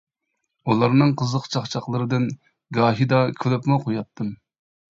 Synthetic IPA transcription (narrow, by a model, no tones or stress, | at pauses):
ulˠɑɾnɨŋqʰəzəqt͡ʃʰɑχt͡ʃʰɑχlˠɨɾɨd̪ɨn | ɡɑːɦid̪ɑkʲʰylypmɨqʰojɑt̪ʰːɨm